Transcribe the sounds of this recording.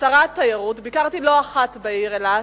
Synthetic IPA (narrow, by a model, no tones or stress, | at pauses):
saʁat̪ːajaʁutbikaʁt̪ilo̞aχat̪beiʁela